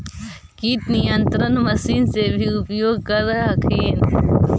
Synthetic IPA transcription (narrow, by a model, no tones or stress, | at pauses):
kit̪nijɐnt̪ɾɐnmɐsiːnsebʱiupjoːɡ̚kɐɾaɐkʰeːn